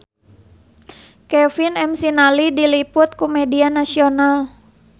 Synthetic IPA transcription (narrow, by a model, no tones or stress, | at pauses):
kɛfinɛmsinalidilipʊt̪̚kumɛdianasional